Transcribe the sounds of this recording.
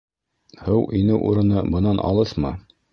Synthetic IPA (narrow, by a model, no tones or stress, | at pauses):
hɤwʔinɘʔuɾɤ̆nɤbɤ̆nɑnʔɑ̰lˠɤθmɤ